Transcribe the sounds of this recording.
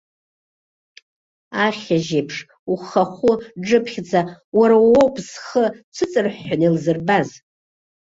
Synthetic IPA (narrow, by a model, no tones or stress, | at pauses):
aχʲaʒepʰʂ | uχaχʷʊʈ͡ʂɨpʰχʲd͡zawaɾawowpʰʼsχət͡ʃʷʰɨt͡sʼɨrħːanelzɨrbaz